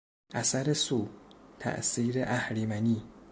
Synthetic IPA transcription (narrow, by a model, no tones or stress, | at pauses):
ʔæsæɾesuːt̪ʰæ̰ʔsiːɾeʔæhɾimæniː